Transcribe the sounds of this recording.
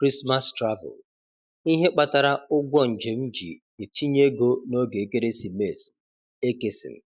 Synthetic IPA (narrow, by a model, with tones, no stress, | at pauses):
kɾi˦sma˦stɾa˦vʊ̰˨l | i˦ɦe˦k͡pa˨ta˨ɾa˦ʊ˦ɡʷɔ˦n̩˨d͡ʒe˨m̩˦d͡ʒḭ˨ | e˨tʰi˦ɲe˦ɡo˦no˦ɡe˨e˨ke˦ɾe˦si˨me˨s | e˦ke˨sɪ̰˨m̩˨